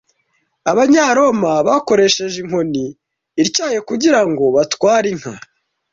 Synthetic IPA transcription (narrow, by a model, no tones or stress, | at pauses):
aβaɲaːɾo̞maβako̞ɾe̞ʃe̞ʒeŋ̥ɦo̞niː | ɾcaːje̞kuɟiɾaŋɡo̞βatwaːɾiŋ̥ha